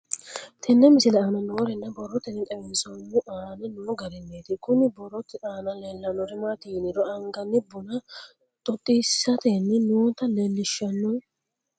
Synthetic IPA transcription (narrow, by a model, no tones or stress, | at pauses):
t̪ʰɛnːɛmɪsɪlɛaːnɐnoːɾɛnːɐbɔɾːɔt̪ːɪnːɪt̪ʼɛwɛnsɔnːʊʔaːɐnɪnuɡɐɾɪnːeːt̪ɪkʊnɪbɔrːɔt̪ːɪᶑaːnɐleːlːɐnːɔɾɪmat̪iːnɪɾɔɐŋɡɐnːɪbʊnɐ | t̪ʼɔt̪ʼːiːsːɐt̪enːɪnoːt̪ːɐlelːɪʃːɐnːɔn